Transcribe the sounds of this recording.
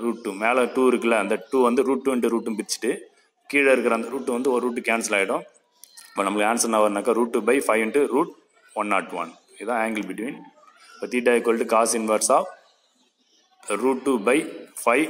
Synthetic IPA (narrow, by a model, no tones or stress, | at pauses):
ɾuːʈ̚ʈːumeːlɐ̃ʈuːɪɾɯkːɪlːɐɐnd̪ɐʈuːʋɐnd̪ɯɾuːʈ̚ʈːuːɛɳʈɯɾuːʈːɯmbɪɪt͡ʃːɪ̥ʈːɯ | kiːɽɐɪɾɯkːɪɾaːnd̪ɐɾuːʈːɯ̃ʋɐnd̪ɯɔɾuːʈːɯkːaːnsɐlaːjɪʈʊ̃ | pːɐnɐmːɐɭɯkːaːnsɐnaːʋɐɾnaːkːaːɾuːʈːubɐɪfɐɪʋɪɳʈɯɾuːʈ̚ | ʋɐnːa̰ːʈːʋɐ̰n | ɪðãːeːŋɡɪlbɪʈʋiːn | pɐt̪iːʈ̬ːaːjɪkːoːlʈːɯkaːsɪnʋɐɾsaː | ɾuːʈʈːubɐɪfɐɪ